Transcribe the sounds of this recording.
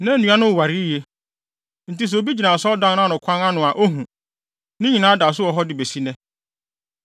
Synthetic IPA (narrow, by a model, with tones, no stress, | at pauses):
nã˦˨nũ˦a˦nʊ̃˦˨wa˨ɾi˦je˨ | n̩˨ti˦s̬ɛ˨o˨bi˦d͡ʑi˨nã˨sɔ˦dã˦ã˦˨nʊ̃˨kʰã˦na˦nʊ̃˨a˨ʔo˦ɦũ˨ | nɪ̃˦ɲĩ˨nãː˨˦da˨s̬ʊ˦ɔ˨ɦɔ˦dɪ˨be˨si˦nɛ̃˦